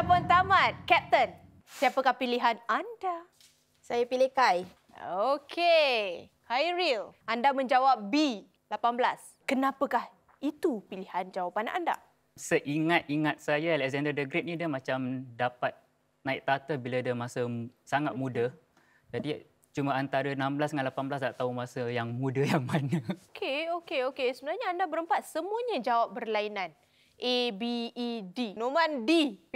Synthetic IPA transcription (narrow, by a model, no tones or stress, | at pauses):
apant̪amãt̪̚kɛp̚t̪ən | siapəkahpiliɦananda | sajapilekaj | okʰe | hajɾilʔandamə̃ɲd͡ʒawap̚bi | lapanblas | kənãpəkah | it̪upilihand͡ʒawapana̰nda̰ | səʔiŋat̪̚iŋat̪̚sajalɛʔzɛndədəɡɾet̪̚nĩdəmãt͡ʃamdapat̪̚ | naik̚t̪at̪əbiladəmasəsaŋat̪̚mũdə | d͡ʒadi | t͡ʃumaant̪aɾənamblasŋanlapanblas̬daʔt̪aumasəjaŋmũdəjaŋmanəokʰeokeokesəbənarɲaandabəɾəmpat̪̚səmũəɲad͡ʒawap̚bərlainãn | ʔebiːdinomãndi